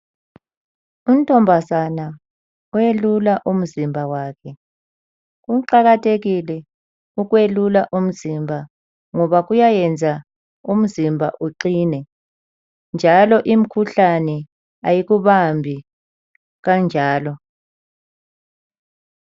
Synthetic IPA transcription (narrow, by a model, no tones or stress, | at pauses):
um̩tʰʼɔmbʱazana | ɔjelulaʔum̩zimbʱawaːkʰɛ | ɣuǃaɣatʰeɣilɛ | uɣwelulaʔum̩zimbʱa | ŋɔβaɣujajɛnd͡zʱa | um̩zimbʱa̰ʔuǃiːnɛ | nd͡ʒʱalɔʔim̩kʰuɬanɛ | a̰jiɣuβambʱi | ɣand͡ʒʱaːlɔ